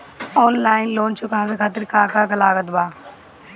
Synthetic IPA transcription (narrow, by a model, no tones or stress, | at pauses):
ɔːnlaːɪnloːnt͡ʃʰʊkaːʋeːkʰaːt̪ɪɾkãːkaːkɐlaːɡət̪baː